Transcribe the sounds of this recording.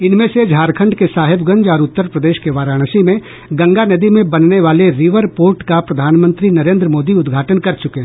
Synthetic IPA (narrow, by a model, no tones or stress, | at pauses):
ɪnmẽsed͡ʒʱaːɾkʰə̃ɳɖkesaːɦɪbɡə̃ɲd͡ʒɔːɾʊt̪ːəɾpɾɐd̪eːʃkeʋaːɾaːɽ̃əsimẽ | ɡɐ̃ŋɡanɐd̪imẽbɐnneʋaːleɾɪʋəɾpoːɾʈkapɾɐd̪ʱaːnmə̃nt̪ɾinɐɾẽːnd̪ɾəmoːd̪iʊd̪ɡʱaːʈənkɐɾt͡ʃʊkẽː